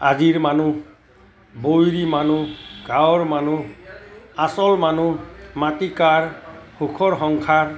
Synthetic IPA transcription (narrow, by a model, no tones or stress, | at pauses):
a̰d͡ʒiɹmanu | bojɾimanuɡawɔɹmanu | asɔlmanumat̪ikaɹhukʰɔɾɦɔŋkʰaɹ